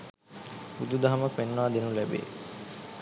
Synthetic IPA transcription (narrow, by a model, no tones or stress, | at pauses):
bud̪ud̪aɦɐməpenːʋaːd̪enulæbḛː